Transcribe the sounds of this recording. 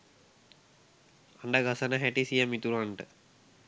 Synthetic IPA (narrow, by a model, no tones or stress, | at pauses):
aɳɖaɡasənəɦæʈisijəmit̪uɾanʈə